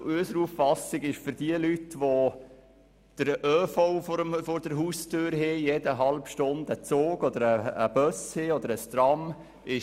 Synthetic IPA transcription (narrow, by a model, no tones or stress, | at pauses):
øsəɾuffɑsɪɡɪʃfʏɾd̥iəlytʋo | d̪̥əɾøːfoʊfoɾəfoɾd̥əɾɦustʰøːɾɦejedəɦɑlpʃtʊnd̪ət͡soːɡɔdəɾəːb̥œsheɔd̪əɾəstrɑm | ɪ